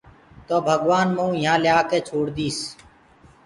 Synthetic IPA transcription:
t̪oːbʱəɡʋaːnmũːɪãːlɪjaːkeːt͡ʃʰoːɽd̪iːs

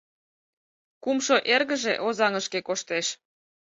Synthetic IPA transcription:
kumʃoʔerɣə̆ʒeʔozɑŋəʃkekoʃt̪eʃ

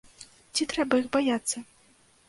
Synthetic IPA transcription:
t͡sʲit̪ɾɛbɐjixbajat̪sːɐ

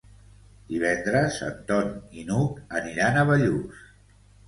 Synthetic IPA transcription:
d̪̥iβɛnd̪ɾəzə̰nt̪ɔninukəniɾanəβəʎus

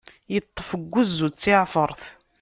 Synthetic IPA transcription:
jət̪ˤːəfəɡʷːuzːut͡sːiʕfəɾˤθ

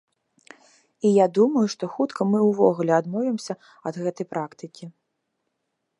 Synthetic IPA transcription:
ijad̪umɐjuʂt̪ɔxut̪kʰɐmɨwvɔɣulʲɛad̪mɔvʲimsʲɐ | ɐd̪ɣɛt̪ɐjpɾakt̪ɨkʲi

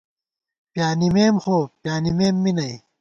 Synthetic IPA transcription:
pjaːnimeːmxoːpjaːnimeːmːinɐj

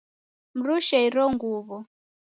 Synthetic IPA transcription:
m̩ɾuʃɛiɾɔŋɡuβɔ

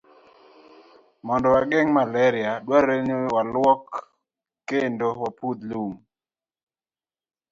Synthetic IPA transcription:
mɔndɔwaɡeŋmalɛɾɪadwaɾeɲowalwɔkː | endowapud̪lum

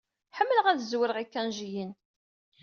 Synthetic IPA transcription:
ħəmːələʁæðəzwəɾʁikːænʒijin

